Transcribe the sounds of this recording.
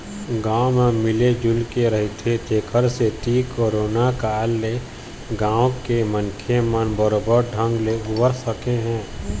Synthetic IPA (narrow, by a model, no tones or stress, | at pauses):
ɡaːwmẽmɪled͡ʒʊlkeɾəɦit̪ʰet̪eːkʰəɾset̪iːkoːɾoːnakaːlːe | ɡãːwkemənkʰemənbəɾoːbəɾɖʱə̃ŋɡleʊbəɾsəkeɦɛ̃ː